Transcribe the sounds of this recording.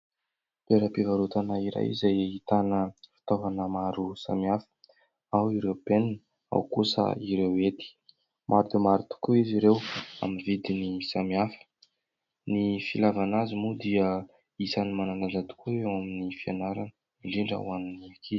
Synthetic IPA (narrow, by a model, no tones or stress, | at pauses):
t̪eɾapivaɾut̪anaiɾa̰jḭzajit̪anəfi̥t̪ovanəmaɾusa̰miafə̥ | awiɾebenin | a̰wkusə̰iɾewet̪i̥ | mʔaɾd̪umaɾut̪u̥kuiziɾewa̰mivid̪inisamiafə̥ | nifilavanazimud̪iə | isanimananazad̪u̥kuewaminifianaɾa | miliɳɖ͡ʐə̰waniniakʰi